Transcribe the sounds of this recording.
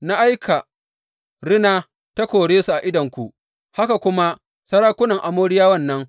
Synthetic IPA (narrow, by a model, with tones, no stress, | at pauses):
na˦ʔa˦jkʰa˨ | ɽɪ˦naː˦ | ta˦kʷoː˨ɽeː˦su˨ʔa˨ʔɪ˦dɐ˨ŋkʷu˨ʔ | ha˦ka˨kʷʊ˦ma˦ | sɐ˦ɽaː˦kʷʊ˦nɐ˨ŋʔa˨moː˦ɽɪ˦jaː˦wɐ˦˨nːɐ˦ŋ